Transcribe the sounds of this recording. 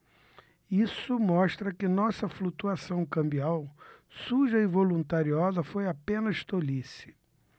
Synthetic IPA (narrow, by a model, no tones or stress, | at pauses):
isʊmɔʃt̪ɾɐkɪnɔsɐflut̪uasɐ̃w̃kɐ̃mbiawsuʒɐɪvolũnt̪aɾiɔzɐfojapẽnɐʃt̪olisɪ̥